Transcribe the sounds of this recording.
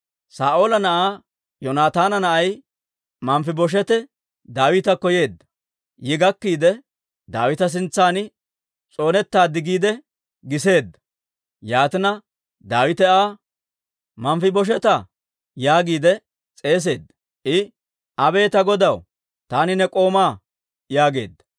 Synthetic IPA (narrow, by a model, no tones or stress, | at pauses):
saːʔoːlɐnɐʔaː | jɔnaːt̪aːnɐnɐʔɐj | mɐmfɪbɔʃ̬ɛt̪ɛ | d̪aːwɪt̪ɐkɔje̞ːd̪ːɐ̥ | jɪɡɐkːiːd̪ɛ | d̪a̰ːwɪt̪ɐs̬ɪnt͡sːaːnɪ | t͡sʼo̞ːnɛt̪ːaːd̪ɪɡiːd̪ɛ | ɡɪse̞ːd̪ːɐ̥ | jaːt̪ɪnɐ | d̪aːwɪt̪ɛaː | mɐmfɪbɔʃ̬ɛt̪ɐ | jaːɡiːd̪ɛ | t͡sʼe̞ːs̬e̞ːd̪ːɐ̥ | ʔɪ | ʔɐbe̞ːt̪ɐɡɔd̪ɐw | t̪aːnɪnɛkʼo̞ːmaː | jaːɡe̞̰ːd̪ːɐ̥